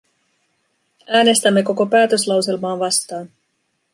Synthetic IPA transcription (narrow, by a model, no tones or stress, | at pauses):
æːne̞st̪æmːe̞ko̞ko̞pæːt̪øslɑwse̞lmɑːnʋɑst̪ɑːn